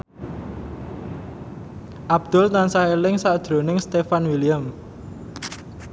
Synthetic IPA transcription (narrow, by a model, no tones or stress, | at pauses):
ʔab̥̚d̪̥ʊlnansaelɪŋsaʔd̥ʒ̥ɾo̤nɪŋst̪efanwilijam